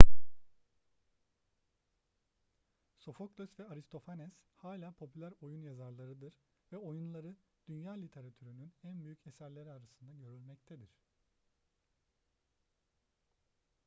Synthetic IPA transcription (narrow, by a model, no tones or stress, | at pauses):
so̞fok̚d̪øsvɛaɾist̪ʰo̞fanɛshaːlʲaːpʰo̞pʰylʲæɾo̞junjazaɾlˠaɾɯd̪ɯɾ̥ | vɛo̞junlˠaɾɯ | d̪̥ynjaːlʲit̪ʰe̞ɾat̪ʰyɾynynænbyjycʰesæɾlʲeɾiaɾasɯnd̪aɟø̞ɾylʲmɛct̪ʰed̪iɾ̝̥